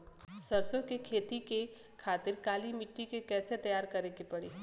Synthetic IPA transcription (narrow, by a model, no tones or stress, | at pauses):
sɐɾsõkekʰeːt̪ike | kʰaːt̪ɪɾkaːlimɪʈːikekɛːset̪ɐjaːɾkɐɾekepɐɽeː